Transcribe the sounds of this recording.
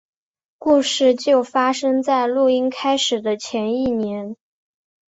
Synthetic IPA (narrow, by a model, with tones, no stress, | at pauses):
ku˥˧ʂɻ̩˥˧t͡ɕjo˥˩ʊfa˥ʂɤ˥ŋt͡sa˥˧ɪlu˥˩i˥nkʰa˥ɪʂɻ̩˨˩d̪ə˦t͡ɕʰjɛ˧˥ni˥˩njɛ˧˥n